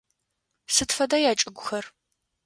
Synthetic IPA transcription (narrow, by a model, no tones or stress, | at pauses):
sɨtfɐdajaːt͡ʃʼɨɡʷʊxɐr